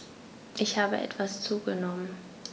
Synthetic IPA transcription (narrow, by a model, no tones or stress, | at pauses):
ʔɪçhaːbə̰ʔɛ̰tv̥ast͡suːɡənɔmən